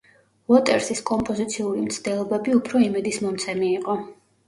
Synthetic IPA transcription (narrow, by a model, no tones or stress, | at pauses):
vɔt̪ʼɛɾsiskʼɔmpʼɔzit̪sʰiuɾimt̪sʰd̪̥ɛlˠɔbɛbiupʰɾɔimɛd̪ismɔmt̪sʰɛmiːqʼɔ